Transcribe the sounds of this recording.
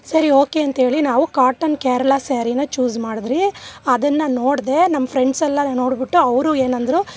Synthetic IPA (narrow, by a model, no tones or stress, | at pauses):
sɐɾio̞ːkeɐnt̪ɐɦeːɭinaːʋukaːɾʈɐnkeːɾɐlaseːɾinɐt͡ʃuːd͡ʒmaːɽid̪ɾiɐd̪ɐnːɐnoːɽd̪e̞nɐmːɐpʰɾeɳɖsɐlːɐno̞ːɽbiʈːuɐʋɾueːnɐnd̪ɾu